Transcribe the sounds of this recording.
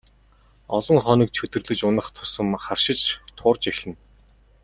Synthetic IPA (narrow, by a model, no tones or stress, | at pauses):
ɔɮɞ̆ŋχɔːniːk̚t͡ɕʰɵt̪ɘ̆rɮɘ̆t͡ɕʊnə̆χt̪ʰʊ̥sə̆mχarʃɪ̆t͡ɕt̪ʰʊːrt͡ɕexʲɮɘ̆n